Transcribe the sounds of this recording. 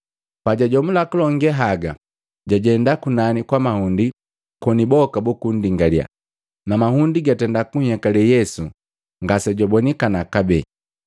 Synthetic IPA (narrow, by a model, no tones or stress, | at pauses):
paɟaɟɔmulakulɔŋɡɛɦaɡa | ɟaɟɛndakunanikwamahundi | kɔnibɔkabukundiŋɡalja̰ | namahundiɡatɛndakuɲɛkalɛjɛsu | ŋɡasɛɟɔbɔnikanakabɛ